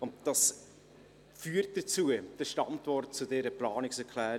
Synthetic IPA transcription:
ʊndd̥ɑs | fyːəɾt̚d̥ət͡suːəd̥əʃtɑntvɔrt̚t͡sudɛːɾəplɑːnɪksɛɾkʰlæː

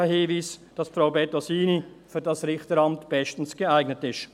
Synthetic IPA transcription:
hiːviːsd̥ɑsfɾaʊbɛtɔsiːnifyːɐdɑsɾɪxtəɾɑmtb̥ɛʃtn̩sɡ̥əaɪɡnətɪʃ

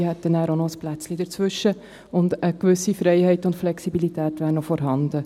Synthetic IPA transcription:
hɛt̪ːənæːɾonɔəsplæt͡sliːd̥əɾt͡sʋʏʃːə | ʊndəkʋʏsifɾɛɪhɛɪtʊntflɛksibilitæːtʋæːɾnɔfɔɾɦɑnd̥ə

